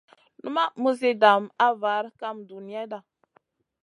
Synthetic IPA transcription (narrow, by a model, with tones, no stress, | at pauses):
nu˦ma˦mu˦zi˦da˨ma˦va˨˦ɾka˦mdu˨ni˨˦ja˦da˨